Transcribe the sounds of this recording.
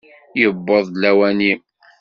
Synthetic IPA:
jəbːəðˤlæwænim

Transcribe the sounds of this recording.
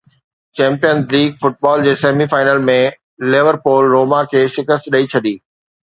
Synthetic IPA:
t͡ɕɛ̃ːmpijənzliːɡfʊʈ̚bɔːld͡ʑeːseːmifaːɪnəlmẽ | lɪʋəɾpoːlɾoːmakʰeːʃɪkəst̪ɗəit͡ɕʰɐɗiː

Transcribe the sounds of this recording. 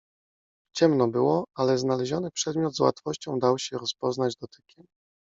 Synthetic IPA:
t͡ɕɛmnɔbɘwɔalɛznalɛʑɔnɘpʂɛd̪mʲjɔd̪zwa̰t̪fɔɕt͡ɕɔ̃w̃d̪awɕɛɾɔspɔznad͡ʑd̪ɔt̪ɘkʲɛm

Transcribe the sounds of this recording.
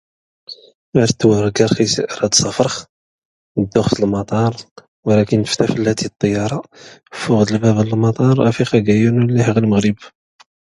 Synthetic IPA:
æɾt̪ːwəɾˤɡɑɾxisə̰ʔɾɑd̪sˤɑfɾˤəx | d̪ːʊxt̪əlmɑt̪ˤɑɾˤ | wəlækənːəft̪æfəlːæt̪it̪ˤːəjːɑɾˤɑfuɣd̪əlbæbələlmɑt̪ˤɑɾˤæ̰fixæɡæjunlːiħəɣəlməɣɾəb

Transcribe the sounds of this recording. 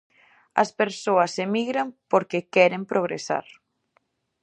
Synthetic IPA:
ɐ̰speɾsoɐsemiɣɾampoɾkekɛɾempɾoɣ̞ɾḛsa̰ɾ

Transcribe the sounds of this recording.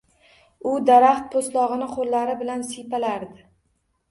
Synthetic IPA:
ʊd̪aɾaχt̪̚pʰoslˠɒʁɨnɪqʰoɾlaɾɪbɪlansijpalaɾd̪ɪ

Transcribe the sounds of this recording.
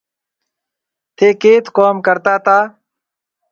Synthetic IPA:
t̪ʰeːkeːt̪koːmkəɾt̪aːt̪aː

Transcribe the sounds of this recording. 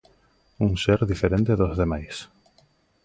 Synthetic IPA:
uŋseɾðifeɾẽnt̪eðozðemajs

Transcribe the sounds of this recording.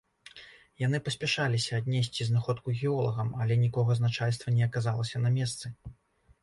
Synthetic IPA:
jan̪ɨpɐsʲpʲɛʂalʲisʲɐːd̪ʲnʲɛsʲt͡sʲiznaxɔt̪kuɣʲɛɔlˠɐɣɐmɐlʲɛnʲikɔɣɐznat͡ʂalʲst̪vɐnʲɛɐkazalˠɐsʲɐnɐmʲɛst̪sɨ

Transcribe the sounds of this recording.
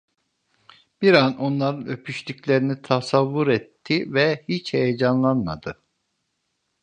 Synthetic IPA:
b̥iɾano̞nlˠaɾɯnø̞pʰyʃlyclʲe̞ɾinit̪ʰasavːuɾɛt̪ʰːivɛhit͡ʃhejed͡ʒanlˠanma̰d̪ɯ

